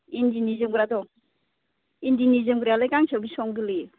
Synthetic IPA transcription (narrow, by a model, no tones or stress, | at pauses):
indinizimɡuɾadɔŋ | indinizimɡuɾalajkaŋsʰawɡisɔŋɡɯli